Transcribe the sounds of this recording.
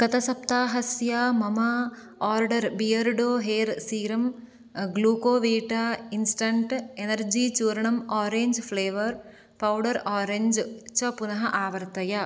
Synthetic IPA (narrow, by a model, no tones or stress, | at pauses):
kɐt̪ʰɐsɐp̚t̪aːɦɐsjaːmɐmɐ | aːɾɖɐɾbijɐɾɖoːɦeːɾsiːɾɐm | ɡluːkoːʋiːʈaːinsʈɐɳʈenɐɾd͡ʒiːt͡ʃuːɾɐɳɐmaːɾeːɲd͡ʒfʰleːʋɐɾ | pɐwɖɐɾaːɾeɲd͡ʒt͡ʃɐpunɐɦɐʔaːʋɐɾt̪ɐjɐ